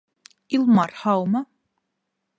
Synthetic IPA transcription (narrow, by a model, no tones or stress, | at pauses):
ilmarħawma